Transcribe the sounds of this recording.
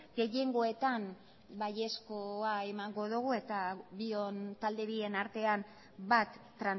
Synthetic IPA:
ɡe̞je̞ŋɡo̞e̞t̪am | baje̞skoae̞maŋɡo̞ðuɣ̞ue̞t̪aβio̞nt̪ald̪e̞βie̞naɾt̪e̞an | bat̪ːɾan

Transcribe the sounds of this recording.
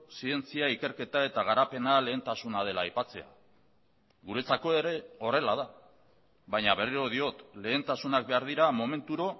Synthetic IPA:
sie̞nt͡siaike̞ɾke̞t̪ae̞t̪aɣ̞aɾape̞nale̞ːnt̪asunað̞e̞laːjpat͡se̞a̰ | ɣuɾe̞t͡sako̞e̞ɾe̞o̞re̞lað̞a | βaɲaβe̞riɾo̞ð̞io̞t̪le̞ːnt̪asunak̚be̞aɾð̞iɾamo̞me̞nt̪uɾo̞

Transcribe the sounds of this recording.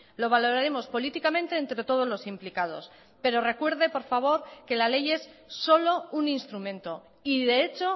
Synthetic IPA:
lo̞β̞alo̞ɾaɾe̞mo̞spo̞lit̪ikamẽ̞nt̪e̞ent̪ɾe̞t̪o̞ð̞o̞zlo̞simplikað̞o̞̰s | pe̞ɾo̞re̞kwe̞ɾð̞e̞po̞ɾfaβ̞o̞ɾke̞lale̞je̞sː | o̞lo̞uninst̪ɾumẽ̞nt̪o̞ | iðe̞et͡ʃo̞

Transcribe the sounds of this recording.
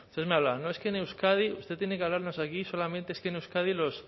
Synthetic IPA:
ust̪ezmeaβlanoeskenewskað̞iust̪e̞t̪jenekeaβlaɾno̞sakiso̞lamẽnt̪eeskenewskað̞ilos

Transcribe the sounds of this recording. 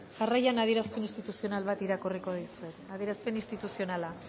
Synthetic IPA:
ʝarajanað̞ieɾaspe̞ninst̪it̪usionalβat̪iɾakoriko̞ðisue̞t̪aðieɾaspe̞nist̪it̪usio̞nala

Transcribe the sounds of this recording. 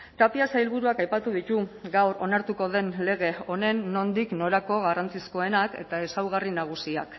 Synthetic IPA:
t̪apiasajlβuɾuakajpat̪uðit̪uɡawro̞naɾt̪uko̞ðe̞nle̞ɣe̞o̞ne̞nːo̞nd̪ikno̞ɾako̞ɣarant͡sisko̞e̞nake̞̰t̪ae̞sawɣarinaɣ̞usia̰k

